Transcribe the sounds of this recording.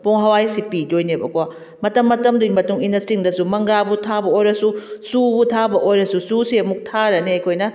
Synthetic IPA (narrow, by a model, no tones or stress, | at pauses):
poŋɦɐwajsipidojnebɐkoa | mɐtɐmːɐtɐmduimɐtuŋinɐsiŋdɐsumɐŋɡɾabutʰabɐojɾɐsusubutʰabɐʔojɾɐsususiɐmuk̚tʰaɾɐneɐjkʰojnɐ